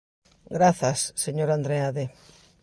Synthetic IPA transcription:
ɡɾaθɐsːeɲoɾand̪ɾeaðe

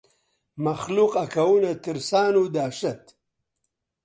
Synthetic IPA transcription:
mɐxluqɐkɐwunɐt̪iɾsaːnud̪aːʃɐt̪

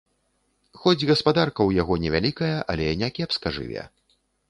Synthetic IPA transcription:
xɔd͡zʲɣɐspad̪arkɐwjaɣɔnʲɛvʲalʲikɐjɐʔɐ̰lʲɛjanʲɛkʲɛpskɐʐɨ̰vʲɛ̰

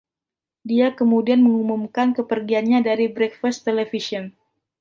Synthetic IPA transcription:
diakəmudianməŋumumkankəpərɡianɲadaɾibɾɛk̚fast̪elefisɔn

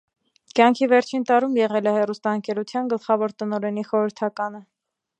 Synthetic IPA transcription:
kjɑŋkʰivɛɾt͡ʃʰint̪ɑɾumjɛʁɛlɛhɛrust̪ɑəŋkɛɾut͡sʰjɑnɡəlχɑvɔɾt̪ənɔɾɛniχɔɾəɾt̪ʰɑkɑnə

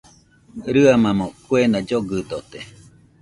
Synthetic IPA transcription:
ɾɯamamokwenad͡ʒoɡɯd̪ot̪e

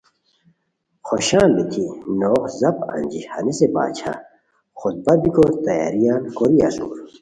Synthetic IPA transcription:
xoɕãːbit̪ʰinoːqzɐpa̰nd͡ʑihɐ̰niseba̰ːt͡ɕʰa̰ | xut̪̚bɐbikoːɾt̪ɐja̰ːɾijaːnkoɾiɐ̰sṵːɾ

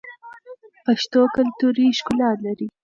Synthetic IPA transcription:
paʃt̪okalt̪uɾiʃkʊlɑːt̪laɾi

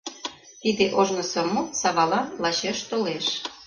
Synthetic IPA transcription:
t̪id̪eʔoʒnɤ̆sɤ̆mosɑβɑlɑnlɑɕeʃt̪oleʃ

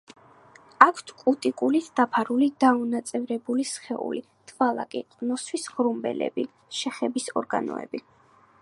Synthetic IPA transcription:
akʰt̪ʰkʼut̪ʼikʼulit̪ʰd̪̥apʰaɾulid̪aunat̪sʼɛvɾɛbulisχɛṵli | d̪̥valˠa̰kʼiqʼnɔswisʁɾumbɛ̰lɛ̰bi | ʃɛχɛbisɔɾɡa̰nɔ̰ɛ̰bi

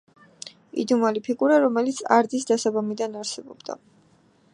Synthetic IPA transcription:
ḭd̪umalipʰikʼuɾaɾɔmɛlit̪sʰa̰ɾd̪zisd̪asabamid̪anaɾsɛbɔ̰b̥d̪a̰

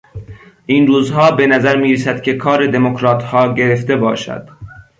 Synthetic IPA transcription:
ʔiːnɾuːzɦɒːbe̞næzæɾmiːɾesæd̪̥kʰʲe̞kʰɒːɾed̪e̞mokʰɾɑːt̪hɒːɟe̞ɾeft̪e̞bɒːʃæ̰d̪̥

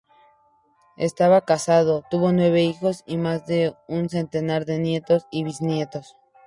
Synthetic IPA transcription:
e̞st̪aβakasað̞o̞t̪uβo̞nwe̞βe̞ixo̞simazðe̞unse̞nt̪e̞naɾðe̞nje̞t̪o̞siβisnje̞t̪o̞s

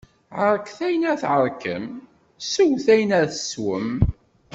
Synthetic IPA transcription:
ʕəɾkθæjənæθʕəɾˤkə̰m | suwθæjənæɾθəswə̰m

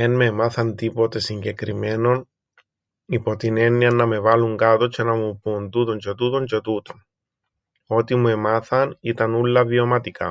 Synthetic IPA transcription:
enmemɐθɐnt̪ipo̞t̪e̞siɲɟe̞kɾime̞no̞n | ipot̪ine̞nːiɐnːɐme̞vɐluŋɡɐt̪ot͡ʃe̞nɐmupunt̪ut̪o̞ɲt͡ʃe̞t̪ut̪o̞ɲt͡ʃet̪ut̪o̞n | o̞t̪imue̞maθɐnit̪ɐnulːɐvio̞mɐt̪ikɐ̰

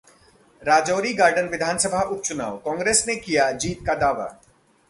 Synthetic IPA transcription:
ɾaːd͡ʒoːɾiɡaːɾɖənʋɪd̪ʱaːnsəbʱaʊt̪̚t͡ʃʊna̰ːwkɔ̃ːŋɡɾeːsnekijad͡ʒiːt̪̚kad̪aːʋa̰

